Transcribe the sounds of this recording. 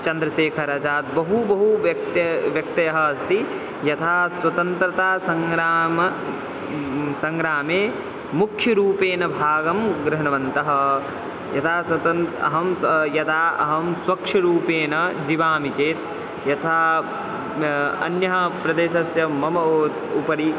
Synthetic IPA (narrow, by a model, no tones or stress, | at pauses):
t͡ʃɐnd̪ɾɐseːkʰɐɾɐsaːt̪̚bɐɦubɐɦuʋɐk̚t̪ɐʋjɐk̚t̪ɐjɐɦɐːst̪i | jɐt̪ʰaːswɐt̪ɐnt̪ɾɐt̪aːsɐŋɡɾaːmɐ | sɐŋɡɾaːmeː | mukʰjɐɾuːpeːnɐbʱaːɡɐmɡɾɐɦɐnɐʋɐnt̪ɐɦɐ | jɐt̪ʰaːswɐt̪ɐnɐɦɐmjɐt̪ʰaːɐ̰ɦɐmswɐkʂʰɐɾuːpeːnɐd͡ʒiʋaːmit͡ʃeːt̪ | jɐt̪ʰaː | ɐ̰njɐɦɐpɾɐd̪eːʃɐsjɐmɐmɐt̪upɐɾi